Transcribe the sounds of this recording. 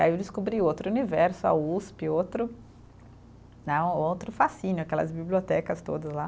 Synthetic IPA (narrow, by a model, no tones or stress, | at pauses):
iaiewd͡ʒ̪ɪskubɾiowt̪ɾʊunivɛɾsʊa̰uspɪot̪ɾʊ | nɛ̃ot̪ɾʊfasĩnʊɐkɛlɐ̰zbiblʲiot̪ɛkɐst̪o̰d̪ɐsla